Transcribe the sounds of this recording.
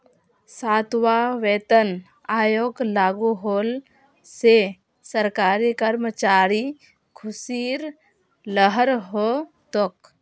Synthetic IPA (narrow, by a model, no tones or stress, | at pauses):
saːt̪ʋaʋeːt̪ən | aːjoːɡlaːɡuɦoːl | se | səɾkaːɾikəɾmət͡ʃaːɾi | kʰʊsiːɾ | ləɦəɾɦo | t̪ok